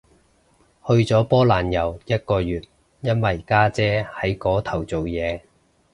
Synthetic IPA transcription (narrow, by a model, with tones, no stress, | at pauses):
hɵ˧ɥt͡sɔː˨˥pɔː˥laː˨njɐ˨˩wjɐ˥t̚kɔː˧jyː˨t̚ | jɐ˥nwɐ˨jkaː˥t͡sɛː˥hɐ˨˥jkɔː˨˥t̪ʰɐ˨˩wt͡so˨wjɛː˨˧